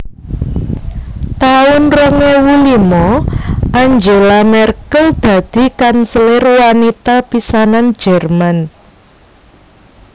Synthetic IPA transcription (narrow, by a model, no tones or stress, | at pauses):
t̪aʊnrɔŋewulimɔʔand͡ʒelamɛrkəld̪̥a̤d̪̥i̤kansəlɪrwanit̪apisanan̥d͡ʒɛrman